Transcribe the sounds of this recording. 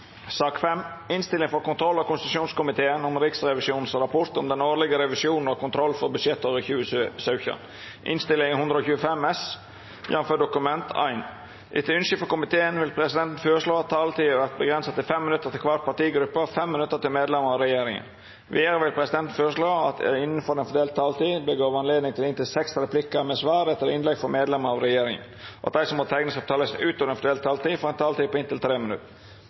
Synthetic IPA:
sɑːkfɛmɪnst̪ɪlɪŋfɔɾkʊnt̪ʰɾɔlːɑkʊnst̪ɪt̪ʉʂuːnskʊmɪt̪ʰeːənɔmɾɪksɾɛʋɪsjuːnn̩sɾɑpʰɔɾt̪ɔmd̪ɛnoːɾlɪɡəɾɛʋɪsjuːnn̩ɔkʊnt̪ʰɾɔlːfɔɾbʉʂɛt̪ːoːɾəçʉːəssɑʉçə̰n | ʔɪ̰nst̪ɪlːɪŋhʉnd̪ɾəɔːçʉːəfɛmɛs | jɑnføːɖʊkʉmɛnt̪ʰæ̰ɪn | ʔɪ̰t̪ʰəʉnʂɪfəkʊmɪt̪ʰeːənʋɪlpʰɾɛsɪd̪ɛnt̪n̩føːɾəʂloːɑt̪ʰɑːlt̪ʰiːəʋæɾt̪̚bəɡɾɛnsət̪ɪlfɛmːɪnʉt̪ːət̪ʰɪlkʰʋɑt̪̚pʰɑʈ̪iːɡɾʉpːəfɛmːɪnʉt̪ːəɾt̪ɪlmeːd̪lɛməɾɑʋɾɛjeːɾɪŋə̰n | ʋiːd̪əɾəʋɪlpʰɾɛsɪd̪ɛnt̪n̩føːɾəʂlɭoːɑt̪ɪnːən̩fɔɾɛnfɔd̪eːlt̪ʰːɑːlt̪iːbəɡoːʋɑnleːd̪nɪŋt̪ʰɪlɪnt̪ɪlsɛksɾɛpʰlɪkəɾmɛsʋɑːɾɛt̪ːəɾɪnlɛɡfɔmeːd̪lɛməɾɑʋɾɛjeːɾɪŋə̰nɔʔɑt̪̚d̪æɪsɔmot̪ʰɛŋnəsɔp̚t̪ʰɑːləsnʉːt̪ɔʋɾɛnfɔɖeːlt̪ʰːɑːlt̪iːfɔɾɛnt̪ʰɑːlt̪iːpɔɪnt̪ɪlt̪ʰɾeːmɪnʉ̰t̪ːə

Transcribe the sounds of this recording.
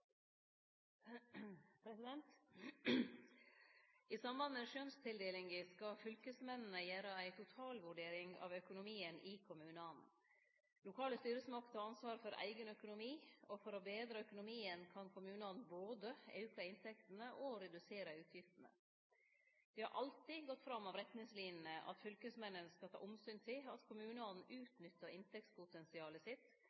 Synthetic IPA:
pʰɾɛsɪd̪ɛnt̪ | ɪsɑmbɑnmɛʂœnst̪ʰɪld̪eːlɪŋɡəskɑfʏlkəsmɛnn̩əjæːɾəæɪt̪ʰʊt̪ʰɑːlʋʉɖeːɾɪŋɑ̰ːʋœkʊnʊmiːənʔɪkʰʊmʉːnɑn | lʊkʰɑːləst̪yːɾəsmɑkt̪ʰɑːɑnsʋɑːɾfɔɾæ̰ɪɡənœkʊnʊmiːɔfɔɾɔbeːd̪ɾəœkʊnʊmiːənkʰɑnkʰʊmʉːnɔd̪n̩boːd̪əḛʉkʰɑɪnt̪ʰɛkt̪n̩əʔɔɾɛd̪ʉseːɾəʉːt̪ʰjɪft̪ən̩ə̰ | d̪̥ɪhɑ̰ɾʔɑlt̪ɪɡɔt̪ːfɾɑmːɑʋɾɛt̪nɪŋsliːnn̩əʔɑ̰t̪fʏlkəsmɛnːənskɑlt̪ʰɑ̰ːʔʊmsyːnt̪ʰɪlɑt̪kʰʊmʉːnəɑd̪n̩ʔʉːt̪nʏt̪ːəɪnt̪ɛk̚tspʰʊt̪ɛnsɪɑːləsɪt̪

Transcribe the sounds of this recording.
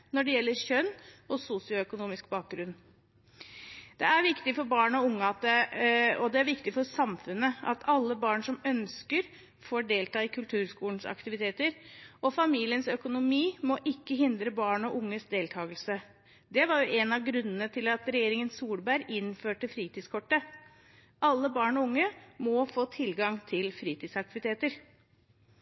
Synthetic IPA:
nɔɖɛjɛlːəɾɕœnːɔsusɪʊœkʊnuːmɪskbɑːk̚ɡɾʉn | d̪ɛæɾʋɪkt̪ɪfɔɾbɑːɳɔʊŋːəɑt̪̚d̪ɛɔd̪ɛæɾʋɪkt̪ɪfɔɾsɑmfʉnːəʔɑ̰t̪ʰɑlːəbɑːɳʂɔmœnskəɾ | fɔɖeːlt̪ɑːɪkʰʉlt̪ʰʉːɾskuːn̩sɑ̰kt̪ɪʋɪt̪ʰeːt̪əɾʔɔfɑmiːlɪənsœkʊnʊmiːmɔʔɪkːəɦɪnd̪ɾəbɑːɳɔʔʊŋːəsd̪eːlt̪ʰɑːɡəlsə | d̪ɛʋɑɾjʊʔɛnɑɡɾʉnːənət̪ʰɪlɑt̪ɾɛjeːɾɪŋənsuːlbæɾɪnføːʈəfɾiːt̪iːd̪skʰɔʈːə | ʔɑlːəbɑːɳɔʊŋːəmɔfoːt̪ʰɪlɡɑŋt̪ʰɪlfɾiːt̪iːd̪sɑk̚t̪ɪʋɪt̪eːt̪əɾ

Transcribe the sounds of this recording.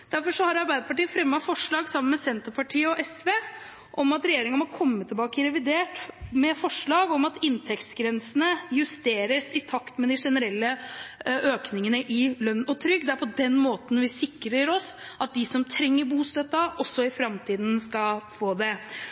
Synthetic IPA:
d̪̥æɾfɔʂɔhɑɾɑɾbæɪd̪əpɑʈiːəfɾɛmːɑfɔʂɭɑːɡsɑmːənmɛsɛnt̪əɾpʰɑʈʰiːəɔʔɛsʋeː | ʔɔmɑt̪ɾɛjeːɾɪŋəɑmɔkʰɔmːət̪ʰɪlbɑːkəɾɛʋɪd̪eːʈmɛfɔʂɭɑːɡɔmɑt̪ɪnt̪ʰɛkt̪sɡɾɛnsənəjʉst̪eːɾəsɪt̪ʰɑkt̪mɛd̪ɪʂɛnəɾɛlːə | øːknɪŋənəʔɪlœnːɔt̪ʰɾʏɡːd̪ɛæɾpʰɔd̪ɛnmoːt̪n̩ʋɪsɪkɾəɾɔsʔɑt̪̚d̪ɪsɔmt̪ʰɾɛŋːəɾbuːst̪œt̪ːɑʔɔsːɔɪfɾɑmt̪ʰiːd̪n̩skɑlfoːd̪ɛ

